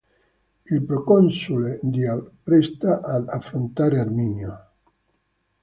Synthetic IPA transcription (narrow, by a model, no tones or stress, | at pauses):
ilpɾokonsuled̪iapɾest̪aʔad̪afɾont̪aɾeaɾminjo